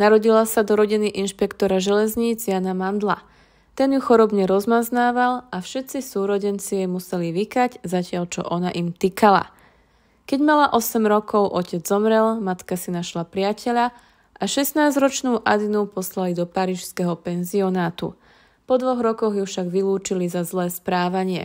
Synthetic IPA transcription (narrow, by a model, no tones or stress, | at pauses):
naɾɔɟilasad̪ɔɾɔɟiniʔinʃpɛkt̪ɔɾaʒɛlɛzɲiːd͡zjanamand̪la̰ | t̪ɛnjuxɔɾɔbɲɛɾɔzmaznaːʋalafʃɛt̪t͡sisuːɾɔɟɛnt͡sijɛmusɛliʋikaɟzacɪaʎt͡ʃɔ̰ʔɔnaʔimt̪ikala̰ | kɛɟmalaʔɔsɛmɾɔkɔʊʔɔcɛd͡zzɔmɾɛlmat̪kasinaʃlapɾɪacʰɛʎa | ʔaʃɛst̪naːzɾɔt͡ʃnuːʔa̰d̪inupɔslalid̪ɔpaɾiːʃskɛɦɔpɛnziɔnaːt̪ṵ | pɔd̪ʋɔɣɾɔkɔɣjufʃaɡʋiluːt͡ʃilizazlɛːspɾaːʋaɲɪɛ̰